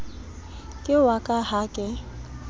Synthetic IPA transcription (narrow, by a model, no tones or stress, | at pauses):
kʼɪwakʼahakʼɪ